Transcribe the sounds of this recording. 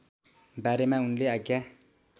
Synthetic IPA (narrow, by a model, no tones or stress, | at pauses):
baɾemaunleaɡja